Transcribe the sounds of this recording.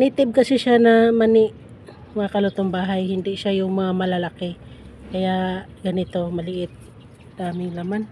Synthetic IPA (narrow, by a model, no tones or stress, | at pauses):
nit̪ɪb̚kɐsɪʃanɐmɐnɪʔ | mɐŋakɐlʊt̪oŋbaːɦajhɪnd̪ɪʃajʊŋmɐŋamɐlɐlakɛ | kɐjaɡ̥ɐnɪt̪o̞mɐlɪʔɪt̪̚ | d̪̥aːmɪŋlaman